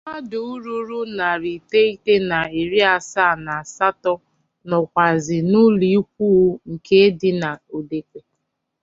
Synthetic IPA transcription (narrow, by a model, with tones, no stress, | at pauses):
ma˦dʊ˨u˦ɾu˦ɾu˦na˨ɾi˨te˦i˦te˦na˨e˨ɾi˦a˨sa˦˨na˨sa˦tɔ˦ | nɔ˨kʷa˨zɪ˨nʊ˦li˨˦i˦k̚ʷu˦ŋ̩˨ke˦dɪ˦na˨o˨de˨kʷe˨